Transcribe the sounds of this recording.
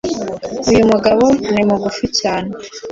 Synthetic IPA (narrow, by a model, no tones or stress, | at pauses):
ujumuɡaβonimuɡuficaːne